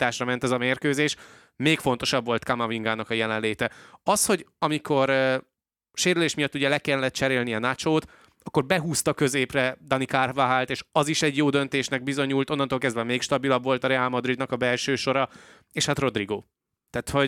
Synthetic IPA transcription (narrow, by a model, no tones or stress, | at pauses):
t̪aːʃrɒmɛnt̪ɛzɒmeːrkøːzeːʃ | meːkfo̞nt̪o̞ʃɒbvo̞lt̪kamɒviŋɡaːnɒkɒjɛlɛnleːt̪ɛɒsho̞ɟɒmiko̞ɾ | ʃeːɾyleːʃmijɒt̪ːuɟɛlɛkɛlːɛt̪t͡ʃɛɾeːlniɒnat͡ʃoːt̪ | ɒkːo̞rbɛɦuːst̪ɒkø̞zeːprɛd̪ɒnikarvaɦaːlt̪eːʃɒziʃɛɟjoːd̪ø̞nt̪eːʃnɛɡ̚bizo̞ɲuːlt̪o̞nːɒnt̪oːlkɛzd̪vɛmeːkʃt̪ɒbilɒbvo̞lt̪ɒɾɛalmɒd̪ɾid̪nɒkɒbɛlʃøːʃo̞ɾɒ | eːʃhat̪ro̞d̪riɡoː | t̪aːt̪ho̞